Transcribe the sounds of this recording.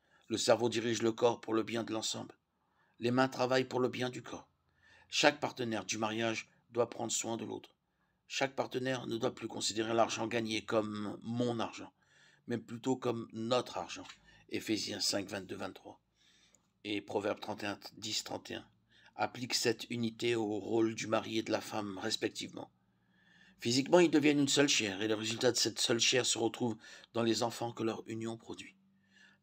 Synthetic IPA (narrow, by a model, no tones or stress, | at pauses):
ləsɛʁvod̪iʁiʒləkɔʁpuʁləbjɛ̃d̪əlɑ̃sɑ̃bl | lemɛ̃t̪χavajpuʁləbjɛ̃d̪ykʰɔʁ | ʃak̚paʁt̪ənɛʁd̪ymaʁjaʒ | d̪wapχɑ̃d̪ʁəswɛ̃d̪əlo̰t̪χ | ʃak̚paʁt̪ənɛʁnəd̪waplykɔ̃sid̪eʁelaʁʒɑ̃ɡaɲekɔmːɔ̃naʁʒɑ̃ | mɛplyt̪okɔmnɔt̪χaʁʒɑ̃efezjɛ̃sɛ̃kvɛ̃t̪̚d̪øvɛ̃t̪ːχwa̰ | epχɔvɛʁb̚t̪χɑ̃t̪eɛ̃d̪ist̪χɑ̰̃t̪eɛ̰̃ | a̰pliksɛt̪ʰynit̪eoʁold̪ymaʁied̪əlafamʁɛspɛk̚t̪ivmɑ̰̃ | fizikmɑ̃ild̪əvjɛnynsœlʃɛʁeləʁezylt̪ad̪əsɛt̪sœlʃɛʁsəʁət̪χuvd̪ɑ̃lezɑ̃fɑ̃kəlœʁynjɔ̃pχɔd̪ɥi